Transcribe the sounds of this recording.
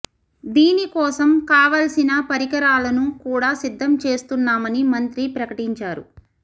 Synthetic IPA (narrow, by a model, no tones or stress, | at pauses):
d̪iːnikɔːsɐmkaːʋaːlsinɐpɐɾikɐɾaːlɐnukuːɽaːsid̪ʱːɐmt͡ʃe̞ːst̪unːaːmɐnimɐnt̪ɾipɾɐkɐʈiɲt͡ʃaːɾṵ